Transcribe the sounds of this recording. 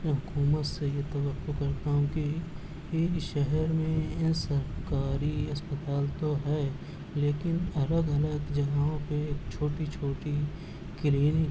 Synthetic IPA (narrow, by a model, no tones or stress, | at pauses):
ɦʊkuːmət̪sejet̪ɐbəkːokɐɾt̪aɦʊ̃ki | iʃɛɦɛɾmẽɪnsɐɾkaːɾiɐspət̪aːlt̪oɦɛː | leːkɪnɐləɡɐləɡd͡ʒɐɡaːõpekt͡ʃʰoːʈit͡ʃʰoːʈi | kliːnɪ